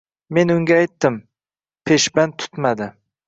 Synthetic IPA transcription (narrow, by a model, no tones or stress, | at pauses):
me̞nʊŋɡʲaːjt̪ːɪm | pʰe̞ʃbant̪ʰʊ̥t̪mad̪ɪ